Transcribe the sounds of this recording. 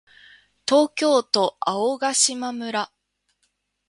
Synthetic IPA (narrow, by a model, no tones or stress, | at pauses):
t̪o̞ːkʲo̞ːt̪o̞aoɡaɕimamɯ̟ɾa